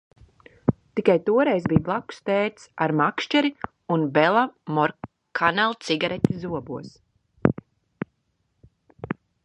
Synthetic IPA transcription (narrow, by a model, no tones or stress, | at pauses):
t̪ikajt̪uɔɾɛjzbijblˠaku̥st̪ɛːt̪saɾmakʃt͡ʃɛɾi | unbɛlˠamɔɾ | kʰanalˠt̪siɡaɾɛt̪ʲizuɔbuɔs